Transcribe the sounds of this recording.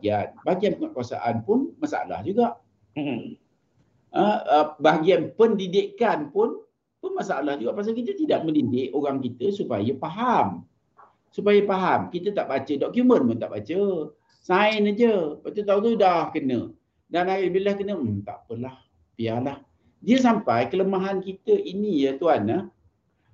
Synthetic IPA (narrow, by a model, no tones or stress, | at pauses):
ianbaɡianpəŋaʔkuasa̰ʔanpʊnmasaa̰la̰hd͡ʒuɡaʔ | əəbaɦaɡianpəndidɪʔkanpʊn | pʊnmasaalahd͡ʒuɡaʔpas̬akit̪ət̪idaʔ̚məndidɪʔoɣaŋkit̪əsupa̰jəpaɦam | supajəpaɦamkit̪ət̪aʔbat͡ʃədɔʔkjumənpʊnt̪a̰ʔbat͡ʃə | saɪnad͡ʒəbat͡ʃ̪ət̪̬aut̪udaahkənə̰ | danaɡabilahkənəm̩t̪a̰ʔpəlah | pialah | diəs̬ampajkələmaɦankit̪əʔinijət̪uanːə